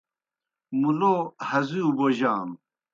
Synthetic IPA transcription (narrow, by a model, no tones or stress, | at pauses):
muloːhɐzuboʑaːm